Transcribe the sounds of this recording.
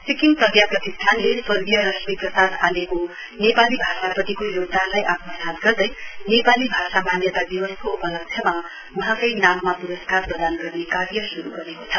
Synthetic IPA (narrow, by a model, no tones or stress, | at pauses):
sikinprʌd̪japrʌt̪ist̪ʰanlesʌɾdijʌɾʌsmiprʌsad̪aleko | nepalibʱasapʌt̪ikojoɡd̪alajʔat̪mʌsat̪̚ɡʌrd̪ʌjnepalibʱasamanjʌt̪ad̪ibʌskoupʌlʌk̚sʰjʌma | uɦãkʌjnamːapuɾʌskarprʌd̪anɡʌrnekaɾjʌsuɾuɡʌɾeko̥t͡sʰʌ̥